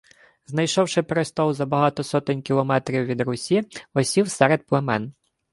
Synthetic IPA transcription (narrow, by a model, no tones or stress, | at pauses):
znɐjʃɔwʂɪpɾɔst̪ɔwzɐbɐɦat̪ɔsɔt̪ɪnʲkʲilˠɔmɛt̪ɾʲiwʋʲid̪ɾʊsʲiɔsʲiwsɛɾɛdt̪̚plˠɛmɛn